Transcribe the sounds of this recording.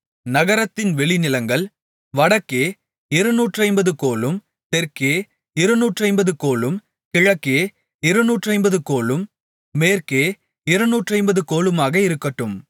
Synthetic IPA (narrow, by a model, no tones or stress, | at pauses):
nɐɣɐɾɐt̪ːɪnʋɛɭɪnɪlɐŋɡɐɭ | ʋɐɽɐkːeː | ɪɾɯnuːʈrɐɪbɐðɯkoːlɯm | t̪ɛɾkeː | ɪɾɯnuːʈrɐɪnbɐðɯkoːlɯm | kɪɻɐkːeː | ɪɾɯnuːʈrɐɪnbɐðɯkoːlɯmː | eːɾkeː | ɪɾɯnuːʈrɐɪnbɐðɯkoːlɯmaːɣɐɪɾɯkːɐʈːɯm